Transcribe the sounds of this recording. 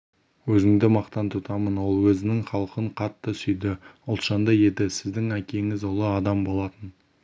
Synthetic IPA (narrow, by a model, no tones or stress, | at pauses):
wɵzɪŋd̪ɪmɑqt̪ɑnt̪ʰʊt̪ɑmənwo̞lˠwɵzɪnɪŋχɑlˠqəɴqʰɑt̪ːəsʏjd̪ɪʊlˠt̪ʃɑnd̪əje̞d̪ɪsɪzd̪ɪŋækʲe̞ŋɪzwo̞lˠəɑd̪ɑmbo̞lˠɑt̪ən